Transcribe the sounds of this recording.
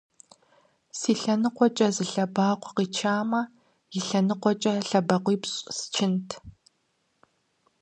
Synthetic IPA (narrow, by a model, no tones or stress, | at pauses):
siːɬɐnɨqʷɔt͡ʃʼɐzɨɬɐbaːqʷɔqiːt͡ʃʰaːmɐ | jɪɬɐnɨqʷɔt͡ʃʼɐɬɐbɐqʷiːpɕʼst͡ʃʰɪntʰ